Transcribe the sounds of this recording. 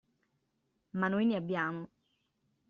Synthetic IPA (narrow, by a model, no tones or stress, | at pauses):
manojneabːjaːmo